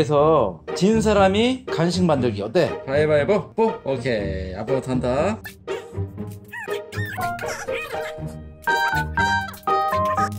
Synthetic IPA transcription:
es̬ʰʌt͡ɕins̬ʰaɾamikanɕʰiŋmandɯɭɡiʌt͈e̞pajebajebopookʰea̰pʰɾʌtʰanda

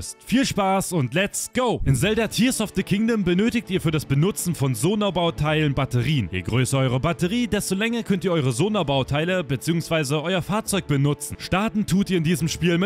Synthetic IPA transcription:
stfiːlʃpaːsʊntlɛt͡stɡ̥oʊʔɪnzɛldɐtʰiːɐsɔft̚ð̥əkʰɪŋdəmbənøːtɪk̚tiːɐfyːɐɾasb̥ənʊt͡sn̩fɔnzoːnabaʊtʰaɪlənbatəʁiːənjḛːɡʁøːsɐʔɔʏʁəbatəʁiːdɛstolɛŋɐkʰœntiɐʔɔʏʁəzoːnabaʊtʰaɪləbət͡siːʊŋsv̥aɪzəʔɔʏɐfaːɐt͡sɔʏk̚b̥ənʊt͡sn̩ʃtaɐtn̩tʰuːtiːɐɪndiːzəmʃpiːlmɪt

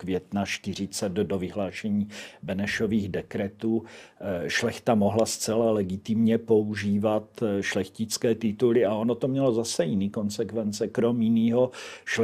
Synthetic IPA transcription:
kvjɛt̪naʃt̪ɪr̝ɪt͡sɛd̪do̞vɪɦlaːʃɛɲiːbɛnɛʃo̞viːɣdɛkɾɛt̪uː | ʃlɛxt̪amo̞ɦlast͡sɛlalɛɡɪt̪ɪmɲɛpo̞uʒiːvat̪ʃlɛxcɪt͡skɛːt̪ɪt̪ulɪaonot̪omɲɛlo̞zasɛjɪniːko̞nsɛkvɛnt͡sɛkɾo̞mjɪniːɦoʃ

